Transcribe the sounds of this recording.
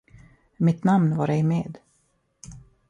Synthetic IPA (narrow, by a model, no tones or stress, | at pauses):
mɪt̪namnvaɾɛjmeːd̪